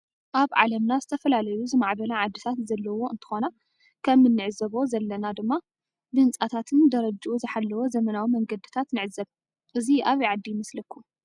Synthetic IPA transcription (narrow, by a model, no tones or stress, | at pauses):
ʔaβʕa̰lɐmnazɨt̪ʰɐfɐlalɐjuzɨmaʕbɐlaʕad̪ːit̪ʰat̪zɐlːɐwo̞ʔɨnt̪ʰɨ̥xo̞na | kʰɐmːɨnːɨʕɨzɐβo̞zɐlːɐnad̪ɨmːa | bɨnt͡sʼat̪ʰat̪ʰɨnd̪ɐɾɐd͡ʒʔuzɨħalːɐwo̞zɐmɐnawimɐŋɡɐd̪ɨt̪ʰat̪nɨʕɨzɐβ | ʔɨziʔaβiʕad̪ːijmɐslɐkʰːu